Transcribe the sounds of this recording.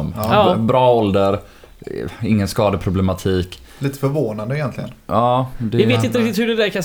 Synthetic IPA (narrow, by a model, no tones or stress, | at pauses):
ɔmbɾɑːɔld̪əɾ | ɪŋːənskɑːd̪əpʰɾʊblɛmat̪ʰiːk | liːt̪ə̥fœɾvoːnand̪əɪjɛnt̪lɪɡənɑːd̪ɛɛvɪːɪnɾɪk̚t̪ɪt̪hɵɖɛd̪æɾkʰan